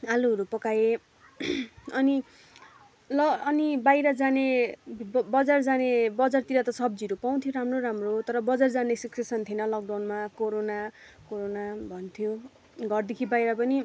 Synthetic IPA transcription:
aluʌɾupʌkaje | ʌni | lʌːnibajɾʌd͡zane | bʌd͡zard͡zanebʌd͡zart̪iɾat̪ʌsʌb̚d͡ziʌɾupaw̃t̪ʰjoɾamroɾamrot̪ʌɾʌbʌd͡zard͡zanesiksesʌnt̪ʰienʌlʌk̚ɖawnmakoɾonakoɾonabʱʌnt̪ʰjo | ɡʱʌrd̪ekʰibajɾʌpʌni

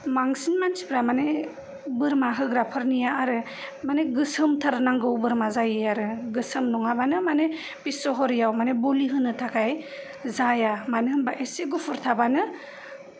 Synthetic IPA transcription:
maŋsinmansʰi̥pɾamane | bɯɾmaɦɯɡɾapʰɯɾnijaːɾɯ | maneɡɯsɯmtʰaɾnaŋɡɯwbɯɾmazajɯjaɾɯɡɯsɯmnɔŋabanɯmane | pisɔɦɔɾjawmaneboliɦɯnɯtʰakʰaj | zajamanɯhɯmbaʔeseɡupʰɯɾtʰabanɯ

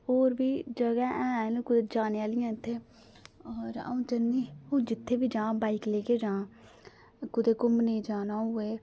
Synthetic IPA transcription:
oːɾbiːd͡ʒəɡɛːʔɛ̃ːnːkʊd̪eːd͡ʒaːneːaːlɪjãːt̪ʰːeː | ɔɾə̰ũːt͡ʃənːiːõːd͡ʒɪt̪ʰːeːbiːd͡ʒãːbaːikleːkeːd͡ʒãː | kʊd̪eːkʊmnəĩːd͡ʒaːnaːɦʊeː

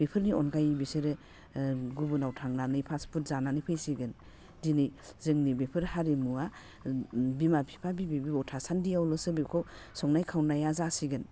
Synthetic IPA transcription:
b̥epʰɯɾniɔnkʰajbiseɾɯ | ɡubɯnawtʰaŋnanɯjpʰaspʰut̚zananɯpʰɯjsiɡɯn | dinɯjzɯŋnibepʰɯɾhaɾemua | bimapʰi̥pʰabibibiawtʰasandijawlɔsɯbikʰɔw | sɔŋnajkʰawnajazasiɡɯn

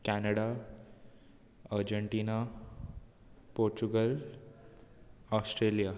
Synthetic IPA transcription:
kænəɽa | əɾd͡ʑəɳʈiːna | poɾt͡ɕuɡəl | ɔsʈɾelija

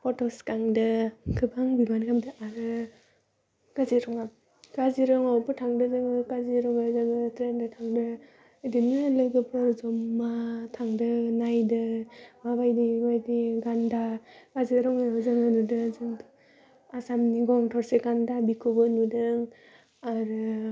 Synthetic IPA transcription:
pʰɔtɔskaŋdɯkʰɯbaŋbimankʰamdɯʔaɾɯ | ɡ̥azeɾɔŋap̚ | ɡaziɾɯŋawpɯtʰaŋdɯzɯŋɯkaziɾɔŋazɯŋɯtɾendɯtʰaŋdɯ | dinɯlɯɡɯbɯɾzɔmːatʰaŋdɯnajdɯmabajdimajdiɡandaɡ̥azeɾɔŋazɯŋɯnudɯzɯŋ | asamniɡɔŋtʰɔɾseɡandabikʰubɯnudɯŋ | aɾɯ

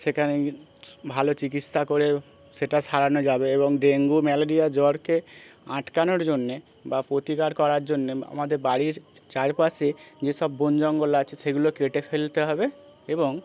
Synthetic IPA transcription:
sekʰane | bʱalot͡ɕikit̪sakoɾe | ʃeʈaʃʰaɾanod͡ʑabeeboŋɖeŋɡumɛloɾijad͡ʑɔɽkeãʈkanoɾd͡ʑonːe | bapɾot̪ikaɾkɔɾaɾd͡ʑonːea̰mad̪eɾbaɽiɾt͡ɕaɾpased͡ʑeʃɔbːond͡ʑɔŋɡolat͡ɕʰeʃeɡulokeʈefelt̪eɦɔbe | eboŋ

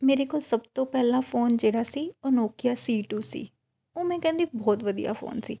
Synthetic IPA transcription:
meːɾeːkoːlsəbt̪õːpɛːlãːpʰoːnd͡ʒeːɽaːsiːoːnoːkɪjaːsiːʈuːsḭː | oːmɛ̃ːkɛ̃ːnd̪iːbɔːt̪ʋəd̪ija̰ːfʰo̰ːnsḭː

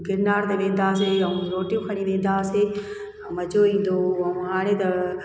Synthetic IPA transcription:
ɡɪɾnaːɾt̪eʋẽːn̆d̪aːs̬eɐũɾoːʈijũkʰɐɽ̃ĩʋẽːn̆d̪aːsẽ | mɐd͡ʑoĩːn̆d̪oɐũɦaːɽ̃et̪ɐ

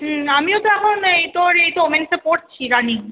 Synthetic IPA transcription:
ɦ̩amiot̪oɛkʰonejt̪oɾejt̪oomensepoɾt͡ɕʰiɾaniŋ

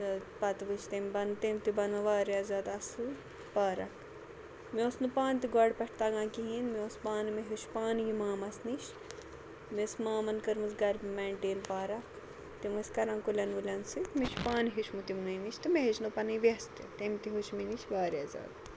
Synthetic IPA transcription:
pɐt̪ʋɨt͡ʃʰt̪emʲbɐnt̪eːmʲt̪ibɐnɐʋaːɾiaːzaːd̪ɐsu | paːɾɐk | mioːsnupaːnt̪iɡɔɽpɛʈʰt̪aːɡãːkiɦinmioːspaːnmeɦiʃpaːnjimaːmɐsniʃ | mesmaːmɐnkɐɾmɨsɡɐɾmɛːɳʈeːnpaːɾɐk | t̪imɐsʲkɐɾãːnkulʲɐnʋulʲɐnsit̪mit͡ʃʰpaːnɦiʃmut̪imnɐniʃt̪imeɦit͡ʃnupɐnɨʋɐst̪et̪emt̪iɦoʃminiʃʋaːɾiaːza̰ːd̪

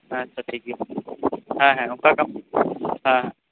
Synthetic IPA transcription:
ɦãɐtːʃʰaʈʰiːkɦɛ | ɦãːɦɛ̃ʊnkakɐm | ɦãːɦã

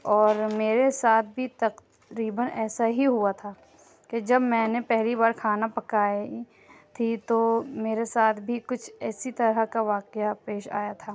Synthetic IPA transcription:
ɔːɾmeːɾesaːt̪̚ʰbʱit̪ɐq | ɾiːbənɛːsaɦiɦuat̪ʰaː | ked͡ʒɐbmɛ̃ːnepɛɦlibaːɾkʰaːnapɐkaːi | t̪ʰit̪omeːɾesaːt̪ʰbʱikʊt͡ʃʰɛːsit̪ɐɾəkaʋaːqjapeːʃa̰ːjat̪ʰaː

